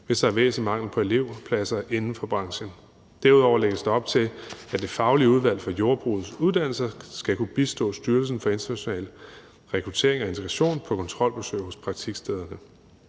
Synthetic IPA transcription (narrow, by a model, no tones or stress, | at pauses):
ʋe̝sd̥æɐʋḛːsəmɑ̈ŋ̰l̩ˠpʰɒ̽e̝le̝ʊ̰pʰlæsɐʔe̝nn̩fɒ̽b̥ʁɑ̈ŋɕən | d̥æɐuð̞ˠɒʊɐleɡ̥əsd̥eɒ̽b̥̚t͡sʰe̝læd̥e̝fɑ̈ʊliəuð̞ˠʋæl̰fɒ̽jo̝ɐb̥ʁuð̩ˠsuð̞ˠd̥æn̰l̩sɐsɡ̥ækʰub̥isd̥ɔ̰ːsd̥yɐl̩s̬n̩fɒ̽e̝nt͡sʰɐnæɕo̝nɛ̰ːl | ʁɛkʰʁut͡sʰe̝̰ːɐeŋɒe̝nt͡sʰeɡ̥ʁɑɕo̝̰ːnpʰɒ̽kʰɒ̽nt͡sʰʁɒ̽l̰b̥esø̰ːɪhɔ̽spʰʁɑ̈ɡ̥̚t͡sʰiɡ̥sd̥eð̞ˠɐnə